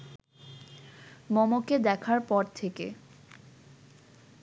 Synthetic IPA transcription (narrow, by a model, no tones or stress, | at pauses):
mɔmoked̪ɛkʰaɾpɔɾt̪ʰekḛ